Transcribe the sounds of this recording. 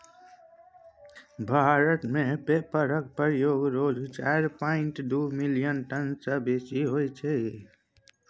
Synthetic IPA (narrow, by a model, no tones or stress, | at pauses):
bʱaɾət̪mepepəɾək̚pəɾjoɡɾod͡ʒt͡ʃaɾpaɪɳʈd̪umilijənʈənsəbet͡ʃiɦojt͡ʃʰɛ